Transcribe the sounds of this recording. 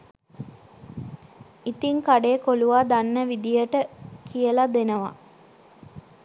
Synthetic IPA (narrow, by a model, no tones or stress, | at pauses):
it̪iŋkaɖekoluʋaːd̪anːəʋid̪ijəʈəkijəlad̪enəʋa̰